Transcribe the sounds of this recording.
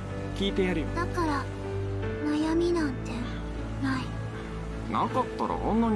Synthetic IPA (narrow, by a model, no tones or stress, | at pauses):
kʲiːt̪e̞jaɾʲid̪̥akaɾa | najamʲinãnt̪e | nai | na̰kɑt̪ːaɾa̰ʔõnːoɲ